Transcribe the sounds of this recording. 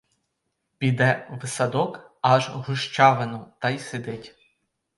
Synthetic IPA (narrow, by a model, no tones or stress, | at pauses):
pʲid̪ɛʋɪsɐd̪ɔkɑʒɦʊʃt͡ʃɑʋenɔt̪ɑjsed̪ɪtʲ